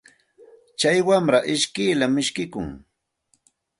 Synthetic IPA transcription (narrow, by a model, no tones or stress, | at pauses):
t͡ʃajwamɾaʔɪʃkɪjlamːɪʃkɪkʊ̰ŋ